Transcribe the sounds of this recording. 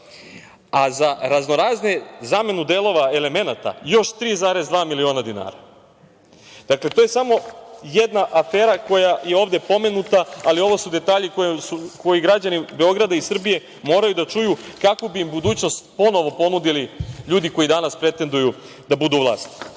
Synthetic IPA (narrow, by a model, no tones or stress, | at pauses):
azaɾazno̞ɾaːznezame̞nud̪eːlˠo̞ʋae̞le̞me̞nat̪a̰jo̞ʃt̪ɾiːzaːɾe̞zd̪ʋaːmilio̞ːnad̪ina̰ːɾa | d̪̥akle̞t̪oje̞samo̞jed̪naʔafeːɾako̞jajeo̞ːʋd̪e̞po̞me̞nut̪aːlio̞ʋosud̪e̞t̪aːʎikojesuko̞jiɡɾad͡ʑanibe̞o̞ɡɾad̪aisr̩bije̞ | mo̞ːɾajud̪at͡ʃujukako̞biimbud̪uːt͡ɕno̞st̪po̞no̞ʋo̞po̞nud̪iliʎuːd̪iko̞jid̪anaspɾe̞t̪e̞nd̪uju | d̪abud̪uʋlˠa̰ːst̪i̥